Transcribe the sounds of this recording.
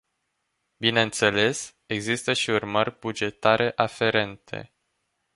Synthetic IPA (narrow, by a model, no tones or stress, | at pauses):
bineɨnt̪se̞le̞s | e̞ɡzist̪əʃiurmərʲbud͡ʒe̞t̪aɾe̞ʔafe̞ɾe̞nt̪ʰe̞̰